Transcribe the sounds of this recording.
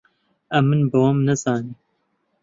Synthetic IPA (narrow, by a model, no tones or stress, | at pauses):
ɐmːɨnbɨwɐmnɐzɑːniː